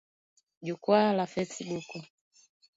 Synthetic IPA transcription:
d͡ʒukwalafɛsiɓuku

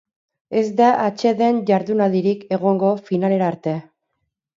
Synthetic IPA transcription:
e̞zd̪aʔat͡ʃe̞ðe̞nʝaɾðunalðiɾike̞ɣo̞ŋɡo̞finale̞ɾaːɾt̪e̞

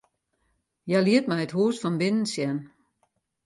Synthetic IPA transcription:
jaliətmɛjəthɦuəsfɔnbɪnən̩sjɛn

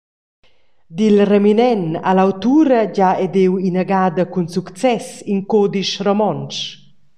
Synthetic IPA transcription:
d̪ilreminɛna̰lawt̪uːɾəɟaɛd̪ewinaɡaːd̪əkunsukt͡sɛsinkod̪iʃrɔmɔns

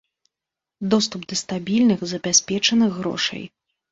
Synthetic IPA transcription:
d̪ɔst̪upd̪ɐst̪abʲilʲnɨɣzɐbʲasʲpʲɛt͡ʂɐnɨɣːɾɔ̰ʂɐ̰j

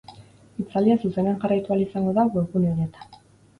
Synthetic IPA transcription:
it͡sald̪iasuse̞neanxarajt̪ualisaŋɡo̞ðaɣoɾpunioɾet̪ḁ

